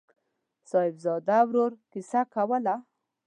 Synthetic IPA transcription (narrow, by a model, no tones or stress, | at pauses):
sɑɪbzɑd̪awɾoɾkɪsakawəla